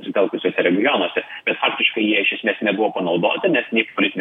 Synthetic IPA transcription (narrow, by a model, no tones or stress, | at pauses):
sʲɪt̪ɛlˠkʊsʲoːsʲɛɾʲɛɡʲɪjonoɔsʲɛb̥ʲɛt̪fɑːkt̪ʲɪʃkɐɪjiɛɪʃʲɛsʲmʲeːsnʲɛbʊʋoːpɐnɒʊd̪o̰ːt̪ʲɪnʲɛsnʲeɪkpolʲɪt̪ʲɪnʲ